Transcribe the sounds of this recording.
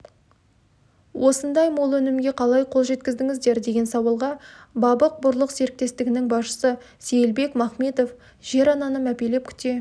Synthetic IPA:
wʔo̞sənd̪ɑjmolˠɵnɪmɡʲe̞qʰɑlˠɑjqʰo̞lˠʒe̞t̪kʲɪzd̪ɪŋɪzd̪e̞ɾd̪eɡʲe̞nsɑwəlˠʁɑbɑbəq̚bʊɾlˠəqse̞ɾɪk̚t̪e̞st̪ɪɡʲɪnɪŋbɑsʃə̥sə | se̞jlbe̞kmɑχme̞t̪o̞f | ʒ̥e̞ɾɑnɑnəmæpe̞le̞p̚kʲʰʏ̥t̪e̞

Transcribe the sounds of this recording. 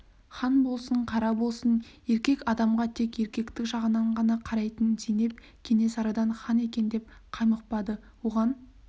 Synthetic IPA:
χɑnbo̞lˠsəɴqʰɑɾɑbo̞lˠsənje̞ɾkʲe̞kɑd̪ɑmʁɑt̪ʰe̞kje̞ɾkʲe̞kt̪ɪkʒɑʁənɑɴʁɑnɑqʰɑɾɑjt̪ənsene̞p̚ | kʲʰe̞ne̞sɑɾɑd̪ɑnχɑne̞kʲe̞nd̪e̞p̚qʰɑjməq̚pɑd̪ə | wo̞ʁɑn

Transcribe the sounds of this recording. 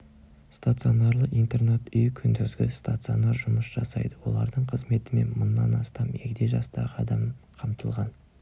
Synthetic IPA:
st̪at̪sɨo̞nɑɾlˠəqijnt̪e̞rnet̪ʏjkʲʰʏnd̪ʏzɡʲɪst̪at̪sɨo̞nɑɾʒʊməsʒ̥ɑsɑjd̪əwo̞̰lˠɑ̰ɾd̪əɴqʰəzme̞t̪ɪme̞̰nmʊnːɑnɑst̪ɑme̞kʲɪd̪ejʒɑst̪ɑʁəɑd̪ɑmqʰɑmt̪əlˠʁɑn

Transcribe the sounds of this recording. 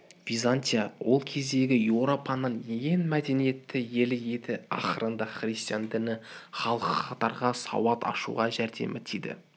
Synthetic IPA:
vʲizanʲt̪ʲijawo̞lˠkʲʰe̞zd̪e̞ɡʲɪjewɾo̞pʰɑnənjenmæd̪e̞nije̞t̪ːɪje̞lɪje̞t̪ɪɑ̰χəɾənd̪ɑχrist̪ijand̪ɪnɪχɑlˠəqəqɑt̪ɑɾʁɑsɑ̰wɑt̪ʰɑ̰ʃṵʁɑʒæɾd̪e̞̰mɪt̪ʰejd̪ɪ̰

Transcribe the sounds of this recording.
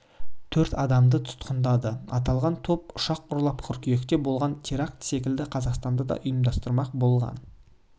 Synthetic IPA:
t̪ʰɵɾt̪ɑd̪ɑmd̪ət̪ʰʊ̥t̪qənd̪ɑd̪əɑt̪ɑlˠʁɑnt̪ʰopʊʃɑqʊɾlˠɑpqʰʏɾkʲije̞kt̪e̞bo̞lˠʁɑnt̪ʲʰeɾak̚t̪se̞kʲɪld̪ɪqʰɑzɑqst̪ɑnd̪ɑd̪ɑ̰ʔʊjəmd̪ɑst̪əɾmɑqbo̞lˠʁɑ̰n

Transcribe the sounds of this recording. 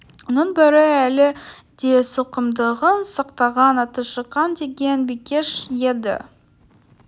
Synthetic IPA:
wonəɴbɪɾɪælɪ | d̪̥esoqəmd̪əʁənsɑqt̪ɑʁɑnɑt̪əʃəqːɑnd̪e̞ɡʲe̞nbikʲe̞ʃjed̪ɪ̰

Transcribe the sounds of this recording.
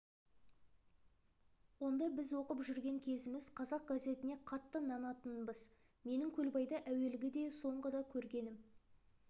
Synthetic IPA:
wo̞nd̪ɑbɪzwo̞qəpʒʏɾɡʲe̞ŋkʲʰe̞zɪmɪz̥qʰɑzɑq̚ɡaze̞t̪ɪne̞qʰɑt̪ːənɑnɑt̪ənbəz | me̞nɪŋkʲʰɵlbɑjd̪ɑʔæwe̞lɡʲɪd̪e̞so̞ɴʁəd̪ɑkʲʰɵɾɡʲe̞nɪm

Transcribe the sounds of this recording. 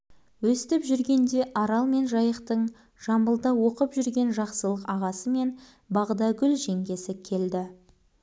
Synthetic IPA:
wɵst̪ɪpʒʏɾɡʲe̞nd̪e̞ʔɑɾɑlˠme̞nʒɑjəqt̪əɴ | ʒ̥ɑmbəlˠd̪ɑwo̞qəpʒʏɾɡʲe̞nʒɑqsəlˠəqɑʁɑsəme̞n | bɑʁd̪ɑɡʲʏlʒe̞ŋɡʲe̞sɪkʲʰe̞ld̪ɪ

